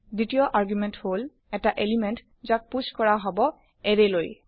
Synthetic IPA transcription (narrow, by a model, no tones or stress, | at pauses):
ditijɔʔaɹɡjumɛnthol | ɛtaʔelimɛnt | zak̚puskɔɹaɦɔbɔ | ɛɹeloj